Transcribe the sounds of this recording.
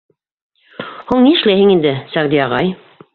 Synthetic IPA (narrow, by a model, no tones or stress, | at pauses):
huɴniɘ̆ʃlæjhɘŋind̪ɘsæʁd̪iɑʁɑj